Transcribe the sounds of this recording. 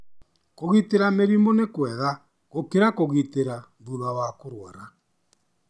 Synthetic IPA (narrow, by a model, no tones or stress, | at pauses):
koɣiteɾameɾiːmbonekwɛɣa | ɣokeɾakoɣiteɾamðuɾawakoɾwaɾa